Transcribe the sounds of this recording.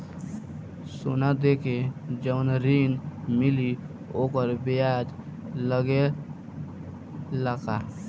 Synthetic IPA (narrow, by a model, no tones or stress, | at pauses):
so̰nad̪ekʰed͡ʒəʋnɾinmili | oːkəɾbejad͡ʒləɡe | ləka